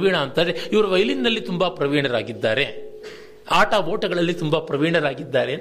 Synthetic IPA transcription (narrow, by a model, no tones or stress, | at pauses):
ʋiːɳaɐnt̪aːɾeiʋɐɾuʋɐjlinːɐlːit̪umbɐpɾɐʋiːɳɐɾaːɡid̪ːaːɾe | aːʈaʋoːʈɐɡɐɭɐlːit̪umbɐpɾɐʋiːɳɐɾaːɡid̪ːaːɾe